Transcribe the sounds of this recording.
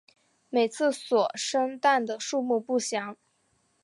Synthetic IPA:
me˨˩ɪt͡sʰɹ̩˥˩swɔ˨˩ʂə˥ŋt̪a˥˩nd̪ə˩ʂu˥˧mu˥˧pu˥˩ɕjɑ˧˥ŋ

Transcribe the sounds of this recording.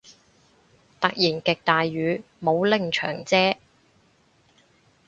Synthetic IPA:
t̪ɐ˨k̚jiː˨˩nkɪ˨k̚t̪aː˨jɥyː˨˧ | mo˨˧wlɪ˨˧ŋt͡ʃʰœ̰ː˨˩ŋt͡sɛː˥

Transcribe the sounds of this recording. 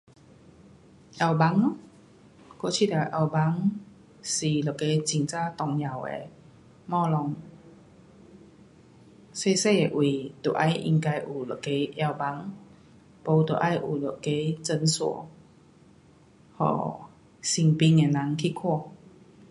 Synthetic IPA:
ʔja˧wba˧˦ŋnɔ˧˦ | ko˥˧˨t͡ɕʰi˥˨t̪a˨˩ʔa˧˩wba˧˦ŋ | si˨˩lo˨ke˧˦t͡ɕi˧ŋt͡sa˥˧t̪ɔ˨˩ŋɲa˨˩wḛ˨ | mɔ˥˧lɔ˧ŋ | se˥˧˨se˥˧˨e˨˩ʔwi˨˩t̪o˨˩ʔa˧˦jʔḭ˧ŋka˧jʔu˨˩lɔ˨ke˧˦ʔja˧wba˧˦ŋ | po˧t̪o˨˩ʔa˧˦jʔu˨˩lo˨˩ke˧˦t͡sə˧nsṵ˨˩˨ | hɔ̰˨˩ | si˧ŋpi˧˦ŋe˨na˨˧˦ŋkʰi˥˧˨kʰɔ˥˧˨

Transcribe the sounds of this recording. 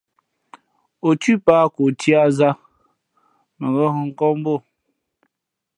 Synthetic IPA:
o˨ti˦paː˦ko˨tʰja˦ʔza˦ | mə˨ɣɔ˦hŋ̩˦kɔ˦m˦bo˦˨

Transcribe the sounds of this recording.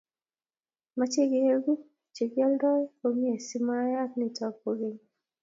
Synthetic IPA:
ma˦t͡ʃe˦ɡe˨e˦ɡu˦ | t͡ʃe˨ɡja˦ldɔ˦jo˨mje˨si˦ma˦ja˦kni˨tɔ˨˦po˨ɡe˦ɲ

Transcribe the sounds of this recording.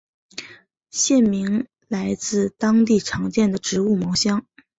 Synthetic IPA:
ɕjɛ˥˩nmi˧˥ŋ | la˧˥ɪt͡sɹ̩˥˧t̪ɑ˥ŋt̪i˥˩ʈ͡ʂʰɑ˧˥ŋt͡ɕjɛ˥˩nd̪ə˩ʈ͡ʂɻ̩˧˥u˥˩mɑ˧˥ʊɕjɑ˥ŋ

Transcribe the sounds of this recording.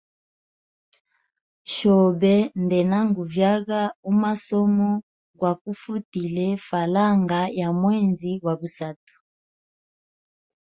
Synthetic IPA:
ʃɔ˨bɛ˦ndɛ˨na˦ŋɡu˨vja˦ɣa˦u˦ma˦sɔ˦mɔ˦ | ɡwa˨ku˦fu˦ti˨lɛ˦fa˨la˦ŋɡa˦ja˨mwɛ˦˨nzi˦wa˨bu˨sa˨tu̥˨

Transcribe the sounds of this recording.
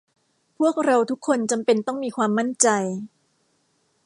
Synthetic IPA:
pʰu˥˩ək̚ɾa˧wt̪ʰu˦˥kʰːo˧nt͡ɕa˧mpe˧nt̪ɔ˥˩ŋmiː˧kʰwaː˧mːa˥˩nt͡ɕa˧j

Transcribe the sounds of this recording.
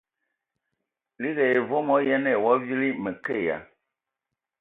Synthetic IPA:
li˦ɣɛ˨e˨vo˦mɔ̃˦jɛ˦nɛ̃˨wɔ˦vi˦li˦mɛ̃˨ke˦˨a̰˨

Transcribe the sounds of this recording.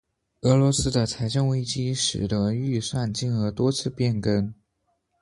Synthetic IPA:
ɤ˧˥lwɔ˧˥sɹ̩˥d̪ə˨t͡sʰa˧˥ɪʈ͡ʂə˥˧ŋwe˥ɪt͡ɕi˥ʂɻ̩˨˩d̪ə˧˥y˥˧swa˥˧nt͡ɕi˥˩nɤ˧˥t̪wɔ˥t͡sʰɹ̩˥˧pjɛ˥˩nkə˥n

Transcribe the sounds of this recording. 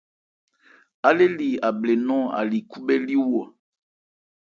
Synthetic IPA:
a˦le˦li˨a˨ble˨nɔ̃˦a̰˨li˨ku˦be˦li˦wo˨a˨

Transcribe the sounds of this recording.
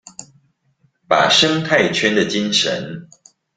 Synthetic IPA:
pa̰˨˩ʂɤ˥ŋt̪ʰa˥˨ɪt͡ɕʰɥɛ˥˦nd̪ə˨t͡ɕi˥˦nʂə̰˨˦n

